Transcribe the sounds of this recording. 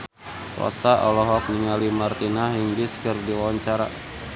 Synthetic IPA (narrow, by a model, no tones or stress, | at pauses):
wɔ̰saʔɔ̰lɔɦɔk̚niŋalimart̪inaɦiŋbiskɨrdiwawaɲt͡ʃaɾa